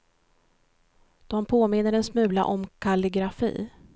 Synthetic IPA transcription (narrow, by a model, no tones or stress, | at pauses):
d̪̥ɔmpʰoːmɪn̪ːəɖɛnsmʉ̟ːla̰ʔɔmkʰalɪɡɾafḭː